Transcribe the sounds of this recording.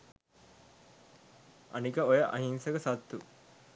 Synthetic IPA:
ɐ̰nikəojəʔɐ̰ɦinsəkəsat̪ːu

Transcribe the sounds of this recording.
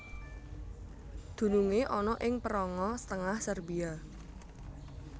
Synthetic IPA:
d̪̥ṳnuŋeʔɔnɔʔɪŋpəɾɔŋɔsə̥t̪əŋahsərbia

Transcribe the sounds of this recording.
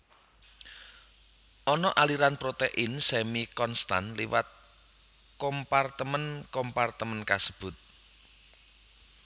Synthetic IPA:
ʔɔnɔʔaliɾanpɾot̪eʔɪnsɛmikɔnst̪a̰nliwa̰t̪̚ | kɔmpart̪əmənkɔmpart̪əmənkasə̥b̥ʊ̤t̪̚

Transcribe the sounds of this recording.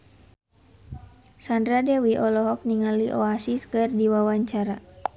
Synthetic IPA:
sandɾadɛwiʔɔlɔɦɔk̚niŋaliʔɔasiskɨrdiwawaɲt͡ʃaɾa

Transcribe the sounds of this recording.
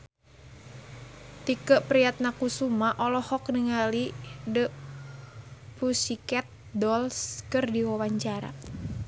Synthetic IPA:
t̪ikəʔpɾijat̪̚nakusumaʔɔlɔhɔk̚nəŋalidə | pusikɛt̪̚dɔlskərdiwawaɲt͡ʃaɾa̰

